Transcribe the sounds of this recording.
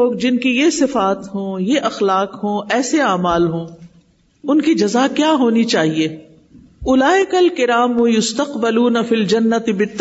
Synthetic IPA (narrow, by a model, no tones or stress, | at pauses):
oːɡ̚d͡ʒɪnkijesɪfaːt̪ɦõːjeʔɐxlaːqɦõːɛːseaːmaːlɦõː | ʊnkid͡ʒɐzakjaːɦoːnit͡ʃaːɦieː | ʊlaːɪkɐlkɪɾaːmʊjʊst̪ɐqbɐluːnɐfiːld͡ʒɐnːɐt̪ɪbɪt̪ː